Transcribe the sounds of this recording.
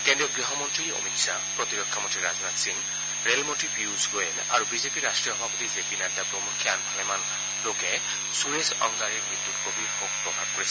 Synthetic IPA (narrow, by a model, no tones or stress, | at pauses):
kendɹijɔɡɹiɦɔmɔntɹio̰miksa | pɹɔt̪iɹɔkʰːamɔ̃ntɹiɹaznat̪siŋ | ɹelmɔntipʰjuzɡojena̰ɹubizepiɹastɹijɔɦɔbʱapɔt̪izepinadːapɹomuŋkʰianbʱalɛman | loɡɛ | sunesɔ̰ŋɡaɹiɹmɹid̪ut̪kobikoɡ̚pɹɔbʱab̚koɹisʰ